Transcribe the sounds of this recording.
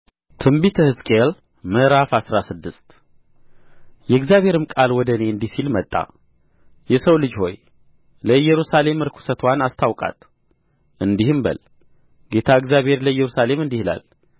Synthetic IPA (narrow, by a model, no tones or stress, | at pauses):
t̪ʰɨmbit̪ʰəhɨzkʼel | məʔɾafasɾasɨd̪ːɨst̪ | jɛɨɡzjaβhe̞ɾɨmkʼalwɔd̪əne̞ɨnd̪isilmət̪ʼːa̰ | jɛsəwlɨd͡ʒho̞j | ləjɛɾusale̞mɨɾkʰu̥sət̪ʰwanast̪ʰawkʼa̰t̪ | ʔɨnd̪ihɨmbə̰l | ɡe̞t̪ʰaɨɡzjabhe̞ɾləjːɛɾusale̞mɨnd̪ihla̰l